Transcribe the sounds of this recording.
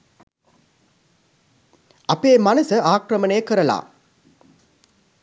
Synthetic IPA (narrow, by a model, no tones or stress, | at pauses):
ɐpeːmɐnɐsɐʔaːkɾɐmɐneːkɯɾɐla̰ː